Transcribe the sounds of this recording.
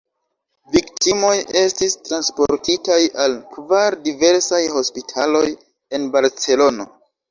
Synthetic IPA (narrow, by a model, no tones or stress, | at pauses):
viktimo̞je̞stistɾanspo̞ɾtitajalkvaɾdive̞ɾsajho̞spitʰalo̞j | e̞nbaɾt͡se̞lo̞no